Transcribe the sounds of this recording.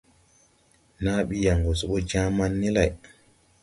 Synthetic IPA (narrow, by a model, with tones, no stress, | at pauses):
naː˦ɓi˦ja˨ŋɡɔ˨su˨ɓɔ˦d͡ʒa˦ma˦nːi˦la˨j